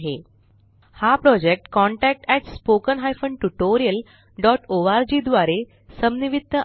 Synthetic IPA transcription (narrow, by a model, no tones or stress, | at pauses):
ɦe | hapɾɔd͡ʑek̚ʈkɔ̃ɳʈæk̚ʈɛʈspokənɦajfəɳɖʈuʈoɾijəl | ɖɔʈoʋaɾd͡ʑid̪ʋaɾe | səmniʋit̪ːə